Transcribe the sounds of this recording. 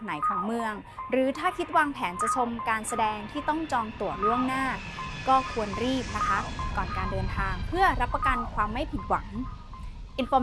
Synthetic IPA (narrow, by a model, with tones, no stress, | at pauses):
na˩˦jkʰa˨˩˦ŋmɯ˧əŋ | ɾɯː˩˦t̪ʰaː˥˩kʰi˦˥t̪̚waː˧ŋpʰɛː˩˦nt͡ɕa˨˩t͡ɕʰo˧mkaː˧nsa˧dɛː˧ŋt̪ʰiː˥˩t̪ɔ˥˩ŋt͡ɕɔː˧ŋt̪u˨˩əlu˥˩əŋnaː˥˩ | kɔː˥˩kʰu˧ənɾiː˥˩p̚na˦˥kʰa˦˥kɔː˨˩nkaː˧ndɤː˧nt̪ʰaː˧ŋpʰɯ˥˩ɐɾa˦˥pːɾa˧ka˧nkʰwaː˧mːa˥˩jpʰi˨˩t̪̚wa˩˦ŋ | ʔi˨˧nfɔː˧